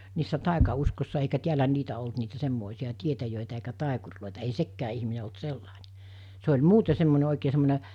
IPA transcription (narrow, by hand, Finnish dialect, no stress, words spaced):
niːsːæ tɑˑikɑuskosːɑ eikæ tiælæ niːtæ olt niːtæ semːoˑisiɑ tietæjøˑitæ eikæ tɑˑikurloˑitɑ ei sekːæː ihmine olt selːɑˑine̥ se olʲ muːte semːone oˑikeː semːone